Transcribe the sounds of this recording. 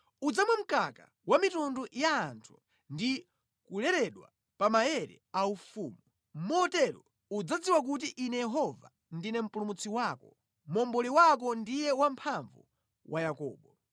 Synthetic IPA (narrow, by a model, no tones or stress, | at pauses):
ud͡zamwum̩kaka̰ | wamitundujaːntʰu̥ | ndi | kulɛɾɛɗwa̰ | pamajɛɾɛ̰ | aufuːmu | mɔtɛɾɔ | ud͡zad͡ziwak̬ut̬iʔinɛjɛɦɔva̰ | ndinɛm̩pulumut͡sʰiwakɔ | mɔmbɔliwak̬ɔndijɛwampʰaɱvu | wʔajakɔ̰ːɓɔ